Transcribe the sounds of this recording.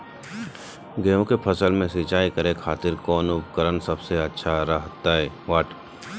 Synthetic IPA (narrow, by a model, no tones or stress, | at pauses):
ɡejõkepʰɐsəlmẽsit͡ʃaːikɐɾekʰaːt̪ɪɾkɔːnʊpkəɾənsɐbseɐtːʃʰaɾəɦt̪aɦɛː | ʋaːʈ